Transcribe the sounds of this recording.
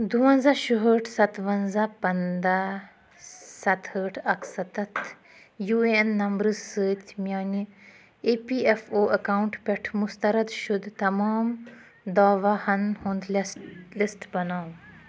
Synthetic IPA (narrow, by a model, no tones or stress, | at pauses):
d̪uʋɐ̃nzaʃuɦəːʈʰsɐt̪ʋɐnzapɐnd̪a | sɐt̪həːʈʰɐksɐt̪ɐt̪ʰ | juːeenːɐmbɾɨzsəːt̪ʲmjaːni | epiːefoːʔɐkaːwuɳʈpʲeʈʰmʊst̪ɐɾɐd̪ʃʊd̪t̪ɐmaːm | d̪aːʋahɐnhũnd̪llisʈbɐnaːw